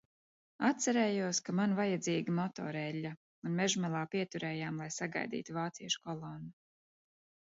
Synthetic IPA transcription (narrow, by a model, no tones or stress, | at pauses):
at̪t̪saɾɛːjuɔskamanvajad̪ziːɡimɔt̪ɔ̰ɾɛlʲːa | unmɛʒmɛlˠaːpiɛt̪uɾɛːjaːmlˠajsaɡa̰jd̪ḭːt̪uvaːt̪siɛʃu̥kɔlˠɔnːu